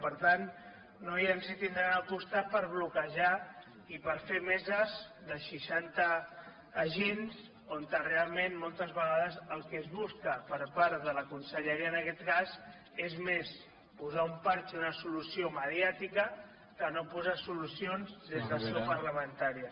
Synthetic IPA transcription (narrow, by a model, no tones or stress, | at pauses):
pəɾt̪anː | ojansit̪ind̪ɾaakust̪at̪̚pəɾβ̞lukəʒa | ipəɾfemɛzəzðəʃiʃant̪əː | ʒens | ont̪ərealˠmenmolˠt̪əzβəɣaðəzəlˠkɛzβuskəpəɾpaɾt̪ðələkunsəʎəɾiənəkɛt̪kaz | ezmes | puzaumpaɾt͡ʃunəsulusioməðjat̪ikə | kənopuzasulusionzðezðəsepəɾləmənt̪aɾiə